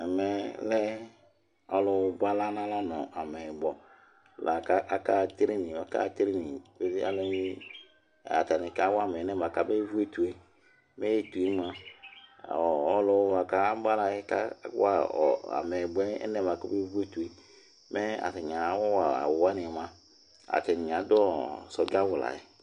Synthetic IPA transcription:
mɛ˨˦lɛ˦ | ɔ˦lʊ˨˦ba˦la˦nã˦la˦nɔ˨a˨mɛ˨bɔ˨˦˨ | la˨ka˦ʔa˦ka˦˨t̪ɾi˦nĩ˨ma˨ka̰˦t̪ɾi˦ni˨be˦zi˦a̰˦le˦i˦˨ | a̰˨t̪a˨ni˨ka˦wa˦˨mɛ˨˦nɛ˦m˨a˨ka˦be˦vu˦e˦tu˨e˨ | me˦je˦tu˨e˦ma˨ | ɔ˨ɔ˦lɔ˨˦wva˨ka˦ba˦la˨je˦ka̰˦a˦ɔ˨a̰˨me˨bɔ˦ɛ˦ɛ̰˦nɛ˦m˨a˨ka˦be˦vu˦e˦t̪u˨e˨ | me˦a̰˨te˨ɲ˨ã˨˦wɔ˦wa˨a̰˨wwa˦nĩ˨mã˦ | a̰˨t̪e˨nĩ˨ɲ˨ã˨˦d̪ɔ˦ɔ˦˨sɔ˨d͡ʒa˦vʊ˨la̰˨jḛ˨

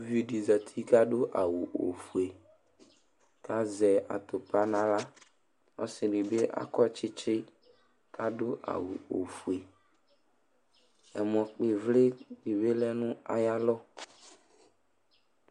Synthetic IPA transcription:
vi˦ɖi˨za˨t̪ʰi˦ka˦ɖo˦ʔa˨wu˨ʔo̰˨fu˨e˨ | ka˦zɛ˨ʔa̰˨t̪o˨pa˦nã˨la˦ | ɔ̰˦sɪ˨ɖi˨be˦ʔa̰˦kɔ˦t͡ʃɪ˦t͡ʃɪ˦ | ka˦ɖo˦ʔa̰˨wṵ˨o̰˨fu˨e˨ | ɛ˨m˨ɔ̃˨k͡pe˨vlɪ˦ɖi˨be˦lɛ˦nʊ̃˦a̰˨ja˦lɔ˦

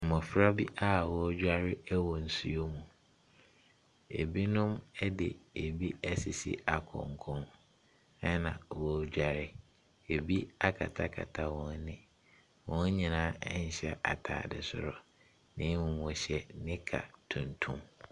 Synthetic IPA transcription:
mɔ̃˨fɾa˦bi˦ʔa˦˨wɔ˦d͡ʑᶣa˦ɾɪ˦wɔ˨n̩˨su˦o˦mũ˨ | ḛ˨bi˦nʊ̃˦mɛ˦dɪ˨e˨bi˦æ˦si˨sḭ˦a˨kʰɔ̰̃˨ŋkʰɔ̃˦n | ɛ˦nã̰˨wɔ˦d͡ʑᶣa˨ɾɪ˦ | e˨bi˦a˦kʰa̰˨tʰa˦kʰa̰˨tʰa˦wɔ̃˨n˦nɪ̃˦ | wɔ̃˦n˦ɲĩ˨nãː˨˦ɛ˦ɲ̩˨ɕɛ˦ʔa˨tʰa̰ː˨dɪ̰˨sʊ̰˦ɾɔ˨ | nɪ̃˦mʊ̃˨mũ˨ɕɛ˦nɪ̃˦kʰa̰˨tʰũ˨ntʰṵ̃˦m

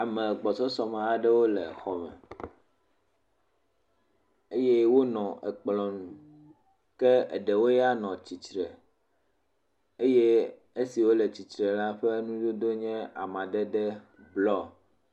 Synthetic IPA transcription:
a˨mɛ̃˨ɡ͡bɔ˨t͡ʃɔ˦sɔ˦mɛ̃˨a˨ɖɛ˦wo˦lɛ̰˨xɔ˨mɛ̰̃˨ | e˦je˦wo˦nɔ̃˨ʔɛ˨k͡plɔ̃˨nũ˨ | kɛ˦ḛ˨ɖɛ˨wo˦ja˦nɔ̃˨t͡ɕi˨tɾɛ˨ | e˦je˦ | e˦si˨wo˦lɛ˨t͡ɕi˨tɾɛ˨la˦ɸɛ˦nũ˦d͡ʒo˦d̪o˦ɲɛ̃˦a̰˨mã˨ɖɛ˦ɖɛ˦ | blɔ˦

